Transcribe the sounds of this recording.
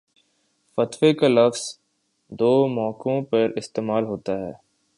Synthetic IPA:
fɐt̪wekalɐfz̥ | d̪oːmɔːkõpɐɾɪst̪eːmaːlɦoːt̪aɦɛ̰ː

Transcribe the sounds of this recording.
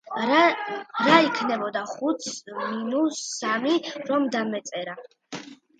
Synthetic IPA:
ɾaikʰnɛbɔd̪aχut̪sminusːamiɾɔmd̪amɛt̪sʼɛɾa

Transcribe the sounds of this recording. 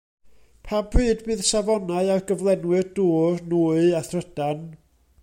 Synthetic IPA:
pʰambrɨːdbɨːðsavɔnaɨarɡəvlˠɛnwɨrduːrnuːɨaθrəd̥an

